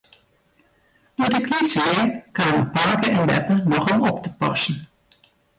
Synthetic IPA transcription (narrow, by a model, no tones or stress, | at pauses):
dutɪknitsʋɪːɹkaːmə̰paːkəɛnʋɛ̰pənɔχɔmɔptəpɔ̰sən̩